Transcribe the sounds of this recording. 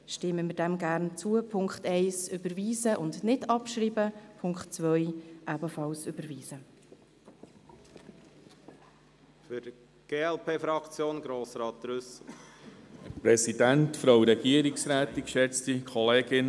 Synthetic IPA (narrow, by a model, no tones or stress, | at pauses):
ʃtɪmːəmɪdɛmɡærnt͡suəpʰʊŋkχtɛɪsʏbəɾviːzəʔʊndnɪdɑpʃriːbəpʰʊŋkχtt͡svœjʔæbəfɑlsʉb̥əɾviːzə | fʏɾ | ɡ̥eːɛlpʰeːfɾɑkt͡sjoːnɡɾoːsɾɑːt̪dɾʏsl̩ | pɾɛsid̥æntfɾɑwɾɛɡ̥iəɾiksɾæːt̪ikʃɛt͡stikʰɔleːɡɪn